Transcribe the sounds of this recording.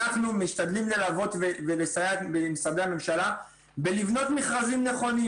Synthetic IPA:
aχnumiʃtad̪limle̞lavo̞t̪vevelesajatbemsabe̞ame̞mʃala | be̞livno̞t̪miχʁazimne̞χo̞ni

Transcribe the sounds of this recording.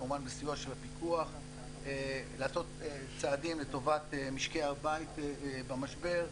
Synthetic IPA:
uvanbesijoʃelapikuaχ | eleaːso̞t̪e | t͡saːdimleto̞vat̪emiʃkeabait̪bamaʃbe̞ʁ

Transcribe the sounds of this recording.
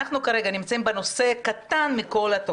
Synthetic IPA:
aχnukaʁe̞ɡanimt͡saimbeno̞se̞kat̪anmiko̞lat̪o

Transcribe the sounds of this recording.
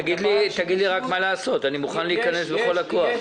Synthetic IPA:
aɡid̪lit̪aɡid̪liʁakmalaːso̞t̪animuχanleikane̞sbe̞χo̞lakoaχ

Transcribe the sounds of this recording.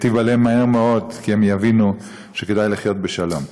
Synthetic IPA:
t̪ivalemahe̞ʁmeo̞d̪kiemjavinu | ʃeke̞d̪ajliχjo̞t̪̚beʃalo̞m

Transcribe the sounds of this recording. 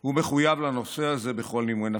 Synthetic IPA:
humeχujavlano̞se̞aze̞be̞χo̞lnimena

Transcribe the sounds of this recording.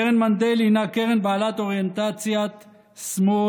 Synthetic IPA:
ʁenmand̪elinakeʁenbaːlat̪oʁjent̪at͡sjat̪ | smo

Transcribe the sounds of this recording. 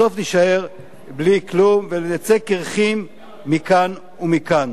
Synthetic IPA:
o̞fniʃaeʁ | bliklumvelenat͡se̞keʁχimː | ikan | umikan

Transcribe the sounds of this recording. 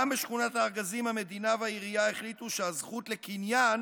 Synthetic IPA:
ambeʃχunataːʁɡazimhame̞d̪inaveaiʁijae̞χlituʃeazχutle̞kinjan

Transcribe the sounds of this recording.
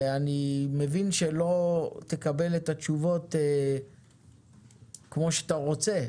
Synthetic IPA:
anime̞vinʃelo̞t̪e̞kabe̞letat͡ʃuvo̞te | kmo̞ʃeat̪aʁo̞t͡se̞

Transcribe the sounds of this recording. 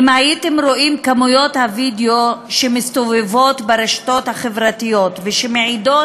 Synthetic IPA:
majit̪emɾoʔimkamujo̞t̪havid̪eoʃemist̪ovevo̞t̪beɾeʃt̪ot̪haχevɾat̪ijo̞t̪veʃemeʕido

